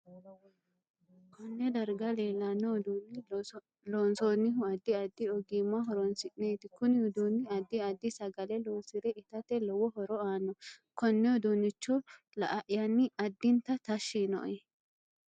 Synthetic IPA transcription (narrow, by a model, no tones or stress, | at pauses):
kɔnːɛd̪ɐɾɡɐleːlːanːɔd̪unːɪ | loːnsoːnːɪɦʊɐd̪ːɪɐd̪ːɪɔɡimaɦɔɾɔnsɪʔneːt̪ɪkʊnɪhʊd̪unːɪɐd̪ːɪɐd̪ːɪsɐɡɐlɛloːsɪɾɛʔɪt̪ɐt̪ɛlɔwɔɦɔɾɔaːnːɔkɔnːɛɔd̪unːɪt͡ʃːɔ | lɐ̰ʔɐʔɪjɐnːɪɐd̪ːɪnt̪ɐt̪ɐʃːinɔ̰ʔɛ